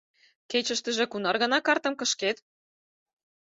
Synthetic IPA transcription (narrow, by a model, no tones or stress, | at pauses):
ket͡ɕə̆ʃt̪ə̆ʒĕkunɑrɣɤ̆nɑkɑrt̪ə̆mkɤ̆ʃket̪